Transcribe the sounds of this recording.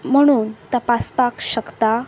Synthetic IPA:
m̤əɽ̃uːnt̪apaspakɕəkt̪a

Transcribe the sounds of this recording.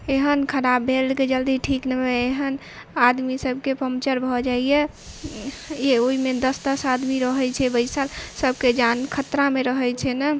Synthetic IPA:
eɦənkʰəɾabːʱelked͡ʒəld̪iʈʰiknəmeeɦən | ad̪misəb̚kepəmt͡ʃəɾbʱɔd͡ʒaije | eoimed̪əst̪əsad̪miɾəɦɛt͡ʃʰɛbəɪsalsəbʱked͡ʒankʰət̪ɾameɾəɦɛt͡ʃʰɛnə

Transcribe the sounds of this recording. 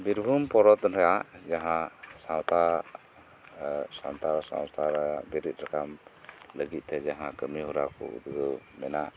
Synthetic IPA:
biɾbʱumpɔɾɔt̪ɾɛjaʔd͡ʒaɦãsawt̪a | sa̰nt̪aɾsã̰w̃st̪ʰaɾɛjaʔbiɾit̪̚ˀɾakamləɡit̪̚ˀt̪ɛd͡ʒaɦãkəmiɦuɾakṵʔd̪ɡəwmɛna

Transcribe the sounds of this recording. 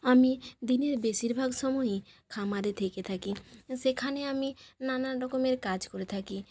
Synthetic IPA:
amid̪ineɾbeʃiɾbʱaɡʃɔmɔikʰamaɾet̪ʰeket̪ʰakiʃekʰaneaminanaɾɾɔkomeɾkad͡ʑkoɾet̪ʰaki

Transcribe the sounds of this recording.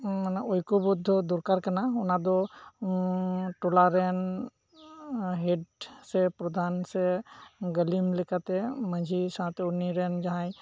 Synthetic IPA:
manaʔojkɔbud̪ʱːɔd̪uɾkaɾkanaunad̪ɔ | ʈulaɾɛn | ɦeɖsɛpɾɔd̪ʱansɛɡəlimlekat̪ɛmə̃d͡ʒʱisãt̪uniɾɛnd͡ʒaɦãj

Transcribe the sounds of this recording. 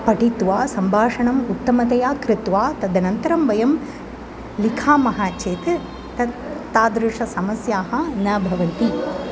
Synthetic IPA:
pɐʈit̪ʋaːsɐmbʱaːʂɐɳɐmut̪ːɐmɐt̪ɐjaːkɾɪt̪ʋaːt̪ɐd̪ɐnɐnt̪ɐɾɐmʋɐjɐm | likʰaːmɐɦaːt͡ʃeːt̪ | t̪ɐt̪aːd̪ɾɪʂɐsɐmɐsjaːɦɐnɐːbʱɐʋɐnt̪i

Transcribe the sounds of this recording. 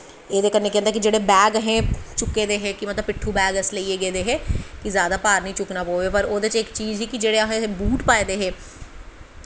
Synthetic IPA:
eːd̪eːkəɾneːkẽːnd̪ekid͡ʒeːɽeːbɛːɡɦɛ̃ːt͡ʃʊkːeːd̪eːɦɛ̃ːkimət̪ləbpɪʈʰːuːbɛːɡəsləieːɡeːd̪eːɦɛ̃ːkizjaːd̪aːpaːɾnəĩːt͡ʃʊknaːpoːʋeːpəɾoːd̪et͡ʃɪkt͡ʃiːzɦiːkid͡ʒeːɽeɦebuːʈpaːeːd̪eːɦɛ̃ː

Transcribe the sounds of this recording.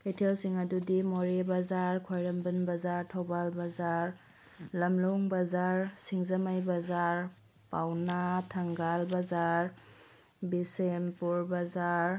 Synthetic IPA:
kejtʰelsiŋɐdudimoɾebɐzaɾkʰojɾɐmbənbɐzaɾtʰobalbɐzaɾ | lɐmloŋbazaɾsiŋzɐmajbazaɾ | pawnatʰɐŋɡalbazaɾ | bisempuɾbazaɾ

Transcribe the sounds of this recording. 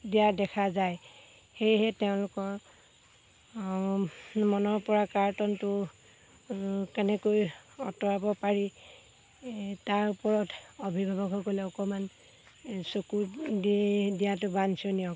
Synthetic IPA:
dijadɛkʰazaj | xejɦɛtɛʊ̃lʊkɔɹ | mɔnɔɹpɔɹakaɹtɔntʊ | kɛnɛkojɔtɔɹabɔpaɹi | taɹupɔɹɔtobʱibʱabɔɡʱɔkolɛɔkɔman | sokudidijatʊbansɔniɔ

